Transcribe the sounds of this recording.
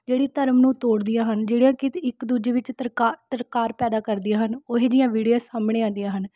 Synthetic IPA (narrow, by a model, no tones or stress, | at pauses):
d͡ʒeːɽiːt̪əɾmnũːt̪oːɽd̪ɪjãːɦənd͡ʒeːɽijãːkɪt̪ɪkd̪uːd͡ʒeːʋɪt͡ʃːt̪əɾkaːɾpɛːd̪aːkəɾd̪ɪjãːɦənoːɦeːd͡ʒɪjãːʋiːɽijaːsaːmɳeːãːd̪ɪjãːɦən